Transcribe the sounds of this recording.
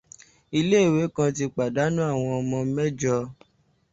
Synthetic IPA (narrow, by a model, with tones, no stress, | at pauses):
i˧le˦˨we˨˦kã˧t̬i˧k͡pa˨da˨˦nũ˦a˦˨w̃ɔ̃˧ɔ˧mɔ̃˧˦mɛ˦d͡ʒɔ˧